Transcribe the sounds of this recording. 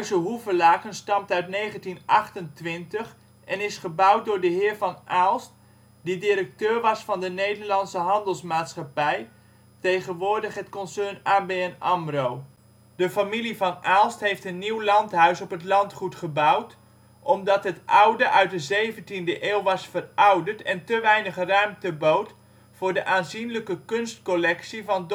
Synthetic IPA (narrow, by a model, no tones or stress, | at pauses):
ɥsəɦuvəlaːkənstɑmtœɥtnejχəntinʔɑχtəntʋɪntəχ | ɛnɪsχəbʌwt̚dʊːɹdəɦɪːɹvɑnʔaːlˠst̚ | didiɾək̚tøːɹʋɑsfɑndənejdəɹlɑnsəɦɑndəlˠsmaːtsχɑpɛj | tejχənʋʊːɹdəχɦətkɔnsɛɹnaːbejɛnɑmrow | dəfamilivɑnʔaːlˠstɦejftənːiwlɑntɦœɥsɔpɦətlɑntχutχəbʌwt | ʔɔmdɑtɦətʔʌwdəʔœɥt̚dəzejvəntindəʔeːlˠʋɑsfərʔɑwdəɹtɛntəʋɛjnəχrœɥmtəbowt | fʊːɹdəʔaːnzinləkəkɵnstkolɛksivɑnd